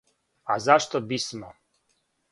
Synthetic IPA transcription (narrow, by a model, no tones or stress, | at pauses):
azaʃt̪obismo